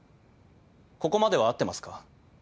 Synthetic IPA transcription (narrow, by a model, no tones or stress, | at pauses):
ko̞ko̞mad̪e̞βaat̪ːe̞masɨ̥ka